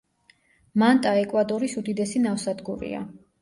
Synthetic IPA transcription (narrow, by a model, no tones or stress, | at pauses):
mant̪ʼaɛkʼwad̪ɔɾisud̪id̪ɛsinafsad̪ɡuɾḭa̰